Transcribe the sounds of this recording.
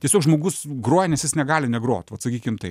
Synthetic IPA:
tʲiɛsʲoːkʒmoːɡʊsɡɾoːjɛnʲɛsjɪsnʲɛɡɑːlʲɪnʲɛɡɾoːt̪ʲʋɐt̪sɐkʲiːkʲɪmt̪ɐɪ

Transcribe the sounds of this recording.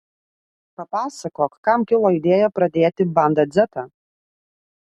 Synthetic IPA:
pɐpɑːsɐkoːkkːɐmkʲɪlˠoːɪd̪ʲeːjɛpɾɐd̪ʲeːt̪ʲɪbɐˑnd̪ɐd̪zʲɛt̪ɐː

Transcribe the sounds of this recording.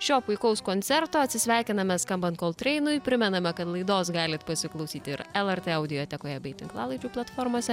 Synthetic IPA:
ʃʲoːpʊɪkɐʊskoːnʲt̪sʲɛɾt̪oːɐt̪ʲsʲɪsʲʋʲæˑɪkʲɪnɐmʲɛskɐmbɐnt̪̚koːlˠt̪ʲɾʲɛɪnʊjpʲɾʲɪmʲɛnɐmʲɛkɐt̪lˠɐɪd̪oːsɡɑːlʲɪt̪pɐsʲɪklˠɐʊsʲiːt̪ɪɾɛlˠɛrt̪ʲeːɐʊd̪ʲɪjoːt̪ʲɛkoːjɛbʲɐɪt̪ʲɪ̰ŋklˠɑ̰ːlˠɐɪd͡ʒʲuːplˠɐt̪foːɾmoːsʲɛ

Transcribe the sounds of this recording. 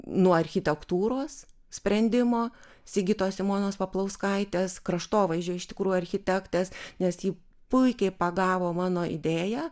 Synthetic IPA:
nuɔɐɾʲxʲɪt̪ʲɛkt̪uːɾoːs | sʲpʲɾʲɛnʲd̪ʲɪmoː | sʲɪɡʲɪt̪oːssʲɪmoːnoːspɐplˠɐʊskɐɪt̪ʲeːskɾɐʃt̪oːʋɐɪʒʲd͡ʒʲoːjɪʃt̪ʲɪ̥kɾuːjuɐɾʲxʲɪt̪ʲɛkt̪ʲɛsnʲɛsjiː | pʊɪkʲɛɪpɐɡɑːʋoːmɑːnoːɪ̰d̪ʲeːjæː

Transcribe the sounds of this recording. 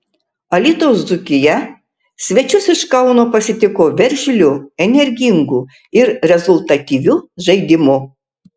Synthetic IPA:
ɐlʲit̪oːszukʲɪjɛ | sʲʋʲɛt͡ʃʲʊsɪʃkɐʊnoːpɐsʲɪt̪ʲɪkoːʋʲɛɾʲʒʲɪlʲuɛnʲɛɾʲɡʲiŋɡu | ɪɾɾʲɛzʊlʲˠt̪ɐt̪ʲiʋʲuːʒɐɪd̪ʲɪmʊ

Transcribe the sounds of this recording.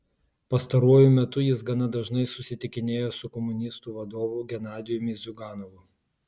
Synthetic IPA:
pɐst̪ɐɾuɔjʊmʲɛt̪ʊjɪs̬ɡɐnɐd̪ɐʒnɐɪsʊsʲɪt̪ʲɪkʲɪnʲeːjoːsʊkɔmʊnʲɪst̪uːʋɐd̪oːʋʊɡʲɛnɑːzʲɪjʊmʲɪzʲʊɡɑːnɔʋʊ

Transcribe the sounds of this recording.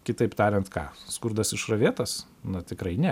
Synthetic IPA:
kʲɪt̪ɐɪpt̪ɑːɾʲɛnt̪kɑ̰ːskʊɾd̪ɐsɪʃrɐʋʲeːt̪ɐs | nɐt̪ʲɪkɾɐɪnʲɛ

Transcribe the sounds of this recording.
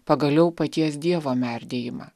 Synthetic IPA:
pɐɡɐlʲɛʊpɐt̪ʲiɛs̬d̪ʲiɛʋoːmʲɛˑɾʲd̪ʲeːjɪmɑ̰ː

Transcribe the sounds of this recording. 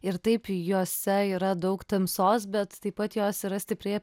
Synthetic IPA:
ɪɾt̪ɐɪpjoːsʲɛiːɾɐd̪ɐʊkt̪ɐmsoːsbʲɛt̪t̪ɐɪpɐt̪joːsiːɾɐsʲt̪ʲɪpʲɾʲeː

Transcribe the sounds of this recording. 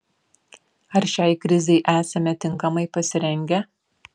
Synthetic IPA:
ɐɾʃʲɛɪkɾʲɪzʲɛɪʔæːsɐmʲɛt̪ʲɪŋˑkɐmɐɪpɐsʲɪɾʲɛŋʲɡʲɛ

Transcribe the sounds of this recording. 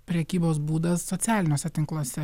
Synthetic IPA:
pʲɾʲɛkʲiːboːsbuːd̪ɐsːoːt̪sʲæːlʲɪnʲoːsʲɛt̪ʲɪŋklˠoːsʲɛ

